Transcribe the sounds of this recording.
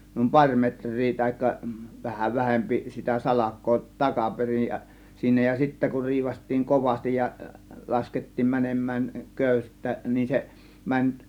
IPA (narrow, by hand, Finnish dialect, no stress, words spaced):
nuˑim pɑrʲ metrˑiː tɑhikːɑ ʋɑhɑ ʋæhempi sitæ sɑlɑkˑoː tɑkɑperij jɑ jɑ siːnæ jɑ sitːæ kur riːʋɑstˑiːŋ koʋɑstij jɑ lɑsketːiːm mænemˑæːn køˑystæ nin se mænʲ